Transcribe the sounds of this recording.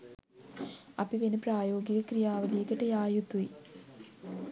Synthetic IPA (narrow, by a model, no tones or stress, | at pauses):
ɐpiʋenupraːjoːɡiɣɐkrijaːʋileːkːɐʈːejaːjut̪ːui